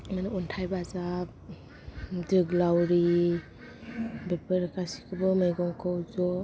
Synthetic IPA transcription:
manauntʰajbaaza | dɯɡlawɾi | bepʰəɾkʰasi̥kʰɯbɔmɯjɡɔŋkʰɔwzɔ

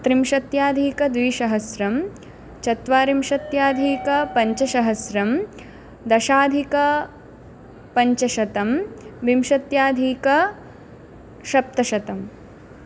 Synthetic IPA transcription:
t̪ɾimʃɐt̪jaːd̪ʱiːkɐd̪ʋiːʃɐɦɐsɾɐm | t͡ʃɐt̪ʋaːɾimʃɐt̪jaːd̪ʱiːkɐpɐɲt͡ʃɐʃɐɦɐsɾɐm | d̪ɐʃaːd̪ʱikɐ | pɐɲt͡ʃɐʃɐt̪ɐmʋimʃɐt̪jaːd̪ʱiːkɐ | ʃɐp̚t̪ɐʃɐt̪ɐm

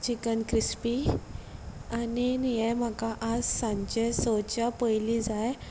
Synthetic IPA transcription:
t͡ɕikənkɾispi | aninijamakaʔad͡zsãɲt͡ɕesot͡ɕapəjlid͡zaj

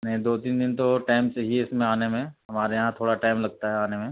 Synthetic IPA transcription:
nɐɦĩd̪oːt̪iːnd̪ɪnt̪oʈaːɪmt͡ʃeɦiɪsmẽaːnemẽɦɐmaːɾejɐɦãt̪ʰoːɽaʈaːɪmlɐɡ̚t̪aɦɛaːnemẽ

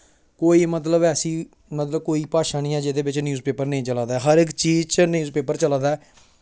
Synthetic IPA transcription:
koːiːmət̪ləbɛːsĩː | mət̪ləb̚koːiːpaːʃaːniːãːd͡ʒed̪eːbɪt͡ʃnjuːzpeːpəɾnəĩːt͡ʃəlaːd̪aːɦəɾɪkt͡ʃiːzt͡ʃnjuːzpeːpəɾt͡ʃəlaːd̪aː

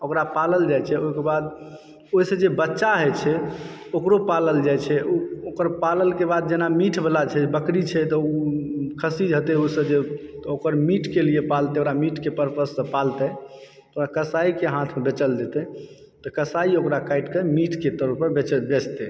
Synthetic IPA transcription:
okɾapaləld͡ʒajt͡ʃʰɛoɦikebad̪ | oɦisə̃d͡ʒebətːʃaɦɛt͡ʃʰɛ | okɾopaləld͡ʒajt͡ʃʰɛʔuokəɾpaləlkebad̪̚d͡ʒenamiʈʰbʱelat͡ʃʰɛbəkɾit͡ʃʰɛt̪ɔukʰəsid͡ʒɦət̪ɛoisə̃d͡ʒet̪okəɾmiʈʰkeliepalt̪ɛoɾamiʈʰkepəɾpəsːə̃palt̪ɛ | okɾakəsaikeɦãt̪ʰmebet͡ʃəld̪et̪ɛ | t̪ɔkəsaiokɾakaiʈkəmiʈʰket̪əɾəpəɾbet͡ʃəbet͡ʃt̪ɛ

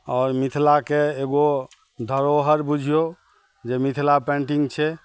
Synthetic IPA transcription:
ɔːɾmit̪ʰlakeeɡo | d̪ʱəɾoɦəɾbud͡ʒʱijo | d͡ʒemit̪ʰlapẽɳʈĩŋɡt͡ʃʰɛ

